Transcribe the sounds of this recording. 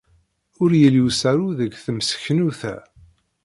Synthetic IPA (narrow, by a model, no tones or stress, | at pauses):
ʊɾjəlusæɾuðəɡθəmsə̥çnuθæ̰